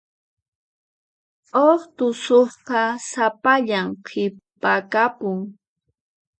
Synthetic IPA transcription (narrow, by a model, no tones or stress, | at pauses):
oχt̪ʊsoχqɑsapaʎamqʰɪpakapʊŋ